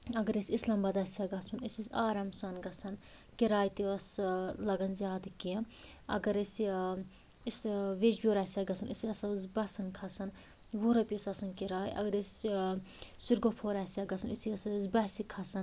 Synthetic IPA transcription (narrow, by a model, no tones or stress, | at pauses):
ɐɡɐɾesʲislɐmbɐd̪ɐsʲjaɡɐt͡sʰunisɐsaːɾɐmsɐnɡɐsʰɐn | kiɾaːjt̪iɐslɐɡɐnzʲjaːd̪ɨkiɐɐ̰ɡɐɾes | isʋed͡ʒbʲoɾasʲaɡɐt͡sʰunisɐsɐsbɐsɐnkʰɐsɐn | ʋuɾɐpʲesɐsɐnkiɾaːjʔɐ̰ɡɐɾes | siɾɡopʰoːɾasʲjaɡɐsʰunisiɐssbɐsikʰɐsɐn